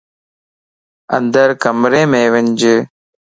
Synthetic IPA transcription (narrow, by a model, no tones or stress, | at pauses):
ɐ̰nd̪ɐɾkɐmɾeːmeːʋɐnd͡ʒɯ